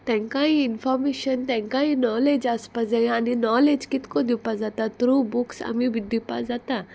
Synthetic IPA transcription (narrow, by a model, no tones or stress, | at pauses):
t̪ɛ̃ŋkãɦĩɪnfʰɔːɾmeʃənt̪ɛ̃ŋkaːɦĩnɔːleːd͡ʒaspazẽaninɔːled͡ʒkit̪kod̪ipazat̪at̪ɾubuksa̰mibʱid̪ipa̰zat̪a